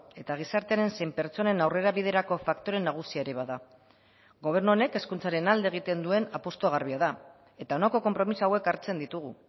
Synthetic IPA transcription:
e̞t̪aɣ̞isaɾt̪e̞aɾe̞nse̞jmpe̞ɾt͡so̞ne̞nawre̞ɾaβið̞e̞ɾako̞fakt̪o̞ɾe̞nːaɣ̞usiaeɾeβaða | ɡo̞β̞e̞ɾnuone̞ke̞skunt͡saɾe̞nald̪eɣ̞it̪e̞nd̪ue̞napo̞st̪oɣ̞arβiað̞a | e̞t̪aonako̞ko̞mpɾo̞misoawe̞kaɾt͡se̞nd̪it̪uɣ̞u

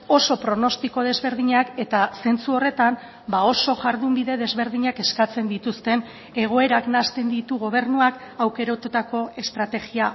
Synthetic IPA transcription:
o̞so̞pɾo̞no̞st̪iko̞ð̞e̞zβe̞ɾðiɲake̞t̪ase̞nt͡suo̞re̞t̪am | bao̞so̞ʝaɾðumbiðe̞ðe̞zβe̞ɾðiɲake̞skat͡se̞nd̪it̪ust̪e̞n | e̞ɣ̞o̞e̞ɾaknast̪e̞nd̪it̪uɣo̞β̞e̞ɾnuakawke̞ɾot̪ut̪ako̞e̞st̪ɾat̪e̞ɣia

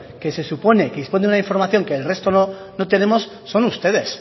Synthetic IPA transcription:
ke̞se̞supo̞ne̞keðispond̪unaiɱfo̞ɾmaθjo̞ŋkeːlre̞st̪ono | no̞t̪e̞ne̞mo̞sːo̞nust̪e̞ðe̞s

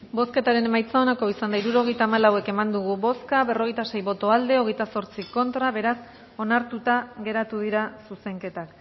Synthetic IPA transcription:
bo̞ske̞t̪aɾe̞ne̞majt͡saonako̞isand̪aiɾuɾo̞ɣe̞jt̪aːmalawe̞ke̞mand̪uɣ̞uβo̞skaβe̞ro̞ɣ̞ejt̪ase̞jβo̞t̪o̞ald̪e̞o̞ɣe̞jt̪aso̞ɾt͡siko̞nt̪ɾaβe̞ɾas | o̞naɾt̪ut̪aɣe̞ɾat̪uðiɾasuse̞ŋke̞t̪ak

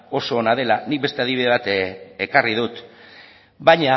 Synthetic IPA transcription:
o̞so̞ːnað̞e̞lanik̚be̞st̪e̞að̞iβiðe̞β̞at̪ekarið̞ut̪ | baɲa

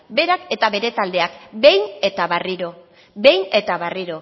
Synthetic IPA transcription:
be̞ɾake̞t̪aβe̞ɾe̞t̪ald̪e̞akbe̞jne̞t̪aβariɾo̞ | be̞jne̞t̪aβ̞ariɾo̞

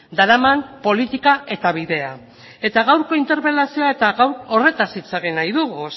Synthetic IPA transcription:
d̪aɾamanpo̞lit̪ikae̞t̪aβ̞iðe̞a | e̞t̪aɣawɾko̞int̪e̞ɾpe̞lasio̞ae̞t̪aɣawɾo̞re̞t̪asit͡saɣ̞inajðuɣu

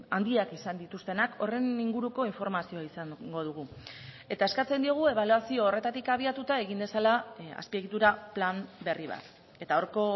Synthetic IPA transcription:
and̪iakisand̪it̪ust̪e̞nako̞re̞niŋɡuɾuko̞iɱfo̞ɾmasio̞aisaŋɡo̞ð̞uɣ̞u | e̞t̪ae̞skat͡se̞nd̪io̞ɣ̞ue̞β̞aluasio̞ːre̞t̪at̪ikaβ̞iat̪ut̪ae̞ɣind̪e̞salaa̰spieɣit̪uɾaplambe̞riβ̞a̰t̪ | e̞t̪aoɾko̞

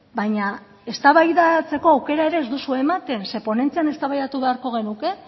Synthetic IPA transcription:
bajɲa | e̞st̪aβajðat͡se̞ko̞awke̞ɾaeɾe̞ːzd̪usuemat̪e̞nse̞po̞ne̞nt͡siane̞st̪aβajðat̪uβe̞aɾko̞ɣ̞e̞nuke̞

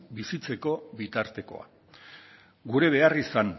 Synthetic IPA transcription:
bisit͡se̞ko̞βit̪aɾt̪e̞ko̞̰a̰ | ɡuɾe̞β̞e̞arisan

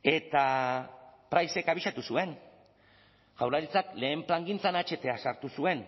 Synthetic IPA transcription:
e̞t̪a | pɾajse̞kaβiʃat̪usue̞n | ʝawɾaɾit͡sakle̞ːmplaŋɡint͡sanat͡ʃe̞t̪e̞asaɾt̪usue̞n

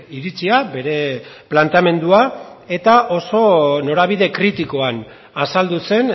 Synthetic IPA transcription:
iɾit͡siabe̞ɾe̞plant̪eame̞nd̪uae̞t̪aʔo̞so̞no̞ɾaβ̞iðe̞kɾit̪iko̞an | asald̪use̞n

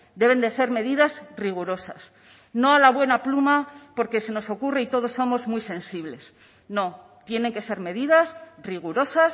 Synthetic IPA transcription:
d̪e̞βe̞nd̪e̞se̞ɾme̞ðiðazriɣ̞uɾo̞sa̰s | no̞alaβwe̞naplumapo̞ɾke̞se̞no̞so̞kureit̪o̞ð̞o̞sːo̞mo̞zmjse̞nsiβ̞le̞s | no̞ | t̪je̞ne̞ŋke̞se̞ɾme̞ðiðasriɣ̞uɾo̞sas

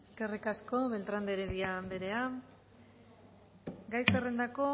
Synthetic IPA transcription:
eske̞rikasko̞βe̞lt̪ɾand̪eɾeðiambe̞ɾe̞a | ɡajsere̞nd̪ako̞

